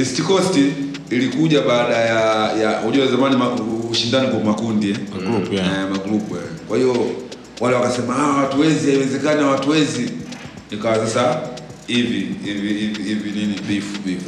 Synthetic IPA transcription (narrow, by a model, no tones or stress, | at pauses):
istikɔsti | ilikuʄaɓaːɗajajahuʄɔazamanimauʃindanikamakundiɛuɛmaɡulupuja̰kwahiɔ | wʔalɛwakasɛmahawawatuwɛzihaiwɛzɛkaniawatuwɛzi | nikawasasaiviiviiviivininivifuvifu